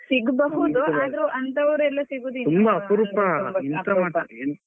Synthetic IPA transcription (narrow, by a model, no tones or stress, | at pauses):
siɡbɐɦud̪uaːd̪ɐɾuʔɐnt̪ɐʋɐɾuɛlːɐsiɡuːd̪iumbɐːpuɾupɐint̪ɐmaːa